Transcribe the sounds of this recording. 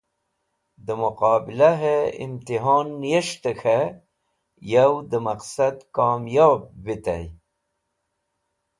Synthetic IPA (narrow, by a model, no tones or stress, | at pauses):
d̪əmuqɑːbilaɦeḭmt̪iɦɑːnːjeʂt̪əxʰe | jawd̪əmaqsad̪kɑːmjɑːb̚ːit̪a̰j